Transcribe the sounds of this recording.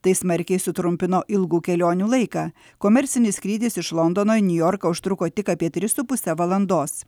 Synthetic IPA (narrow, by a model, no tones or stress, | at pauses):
t̪ɐɪsmɐɾʲkʲɛɪsʊt̪ɾʊmʲpʲɪnoːʔɪlˠɡuːkʲɛlʲoːnʲuːlˠɐɪkɑː | koːmʲɛɾʲsʲɪnʲɪsʲkɾʲiːd̪ʲɪsɪʃlˠɔnd̪oːnoːɪnʲʊjɔːɾkɐʊʃt̪ɾʊkoːt̪ʲɪkɐpʲiɛt̪ʲɾʲɪsʊpʊsʲɛʋɐlˠɐnd̪oːs